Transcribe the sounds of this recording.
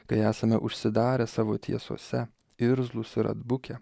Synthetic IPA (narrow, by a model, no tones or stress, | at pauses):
kɐɪæːsɐmʲɛʔʊʃʲsʲɪd̪ɑːɾʲɛsɑːʋoːt̪ʲḭɛso̰ːsʲɛ | ɪɾzlˠʊsɪɾɐ̰d̪bʊkʲɛ